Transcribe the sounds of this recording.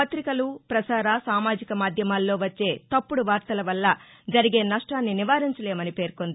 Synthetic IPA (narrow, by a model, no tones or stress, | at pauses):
pɐt̪ɾikɐlupɾɐsaːɾasaːmaːd͡ʒikɐmaːd̪ʱjɐmaːlːo̞ːʋɐt͡ʃːe̞ːt̪ɐpːuɽuʋaːɾt̪ɐlɐʋɐlːɐ | d͡ʒɐɾiɡe̞ːnɐʂʈaːnːiniʋaːɾiɲt͡ʃɐle̞ːmɐnipe̞ːɾkond̪i